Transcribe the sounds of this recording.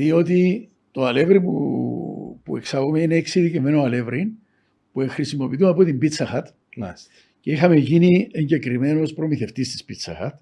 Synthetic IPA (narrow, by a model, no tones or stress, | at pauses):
io̞t̪i | t̪oɐle̞vɾimṵ | pue̞ksɐɣomeineeksiðicime̞noɐle̞vɾin | pue̞xɾisimo̞pit̪uɐpot̪imbit͡sɐxɐt̪ | ceixɐme̞ʝinieɲɟe̞kɾime̞no̞spɾo̞miθe̞ft̪ist̪i̥spit͡sɐ̰xɐt̪